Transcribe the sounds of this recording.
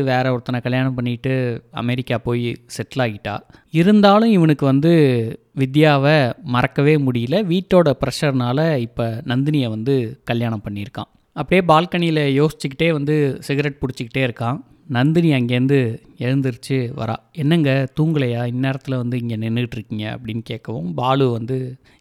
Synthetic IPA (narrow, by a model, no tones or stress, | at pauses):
ʋeːɾɐɔɾɯt̪ːɐnɐkɐɭjaːɳɐ̃mpɐɳːɪʈːɯɐ̰mɛɾɪkːaːpoːjsɛʈːlaːɣɪʈːa̰ː | ɪɾɯnd̪aːlɯ̃ɪʋɐnɯkːɯʋɐnd̪ɯ | ʋɪd̪jaːʋɐmɐɾɐkːɐʋeːmʊɽɪjɪlɐʋiːʈːoːɽɐpɪɾɐʂɐɾnaːlɐɪpːɐnɐnd̪ɪnɪjɐʋɐnd̪ɯkɐljaːɳɐmpɐɳːɪɪɾɯkːã̰ː | ɐpːɐɽɪjeːbaːlkɐɳɪjɪlɐjoːsɪ̥t͡ʃːɯkːɪʈːeːʋɐnd̪ɯsɪɣɐɾɛʈ̚pʊɽɪt͡ʃːɯkːɪʈːeːɪɾɯkːãː | nɐnd̪ɪnɪjɐɐŋɡeːnd̪ɯ | ɛɻɯnd̪ɯɾɯt͡ʃːɯʋɐ̰ɾa̰ːɛnːɐŋɡɐt̪uːŋɡɐɭɐjaːɪnːeːɾɐt̪ːɪlɐʋɐnd̪ɯɪŋɡenɛnːɯɣɪʈːɪɾɯkːɪŋɡɐɐ̰pːɐɽɪnːkeːkːɐʋõ̰ːmbaːlɯʋɐnd̪ɯ